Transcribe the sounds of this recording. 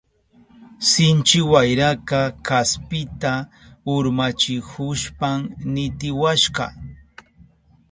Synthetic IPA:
sɪnt͡ʃɪwajɾakakaspɪt̪a | ʊɾmat͡ʃɪkʊʃpamnɪt̪ɪwaʃɢɑ̰

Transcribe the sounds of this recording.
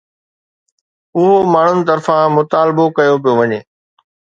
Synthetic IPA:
ʊɦomaːɳ̤ʊnɪ̆t̪ɐɾfãmʊt̪aːlɪbokɐjop̬ijoʋɐɲeː

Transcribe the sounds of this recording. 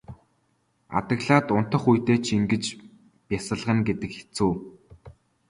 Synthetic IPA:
a̰t̪ə̆ɣɮaːt̪ʊn̥t̪ə̆χujt̪eːt͡ɕʰiŋɡɘ̆t͡ɕ | pʲjasə̆ɮʁə̆ŋɡet̪ɘ̆kxe̥t͡suː

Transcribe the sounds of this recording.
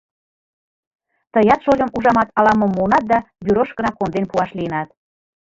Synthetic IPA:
t̪əjɑt̪ʃolʲəmuʒɑmɑt̪ɑlɑmɤmːonɑt̪̚d̪ɑbyɾoʃkənɑkond̪enpuɑʃliənɑt̪̚

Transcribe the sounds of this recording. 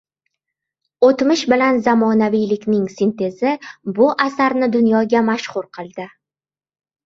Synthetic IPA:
ot̪mɪʃbɪlanzamɒnavijlɪkʲnɪŋsent̪ʰe̞zɪbʊʔasaɾnɪd̪ʊnjɒɡʲamaʃχʊɾqʰɨlˠd̪ɪ

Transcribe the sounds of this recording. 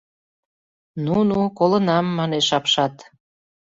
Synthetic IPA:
nunukolənɑmːɑneʃɑpʃɑt̪

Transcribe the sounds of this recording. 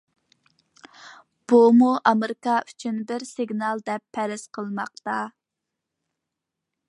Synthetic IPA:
b̥umuʔɑmeɾɪkɑʔyt͡ʃʰynbɪɾsɪɡnɑlˠd̪ɛpʰːɛɾɪsqʰəlˠmɑqt̪ɑ

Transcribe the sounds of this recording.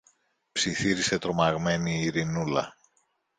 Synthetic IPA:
psiθiɾise̞t̪ɾo̞mɐɣme̞niːɾinulɐ̰

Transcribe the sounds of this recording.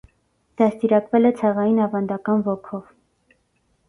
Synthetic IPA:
d̪̥ɑst̪iɾɑkvɛlɛt͡sʰɛʁɑjinɑvɑnd̪ɑkɑnvɔkʰɔv

